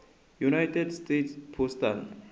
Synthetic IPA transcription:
junajt̪ed̪st̪ejt̪spʰost̪al

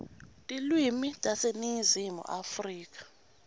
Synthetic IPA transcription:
tʼilwimitʼasenizimṵʔafriːk̬ʼḁ

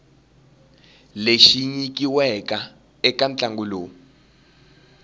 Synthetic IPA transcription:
leʃiɲik̬iwɛka | ɛkant͡ɬʼaŋɡuloː

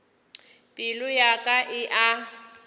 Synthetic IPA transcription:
pʼɪlʊjakʼaʔɪʔa

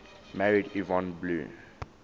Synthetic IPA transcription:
mæɹidivɔ̃nblṵː

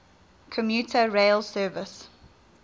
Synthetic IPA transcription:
kʰəmjutʰəɹeɪlsɜːvɪs

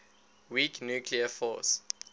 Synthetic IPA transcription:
wiknjukʰliəfɔ̰s

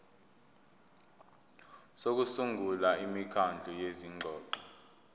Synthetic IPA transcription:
sok̬usuŋɡʱulaimikʰand͡ɮʱujeziŋʱɔːǃɔ

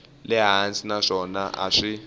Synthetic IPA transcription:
lɛɦansʼinaʂɔnaʔa̰ʂi

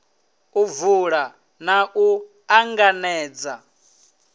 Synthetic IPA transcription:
uvuɺa | naʔu | aŋɡanɛːd͡za

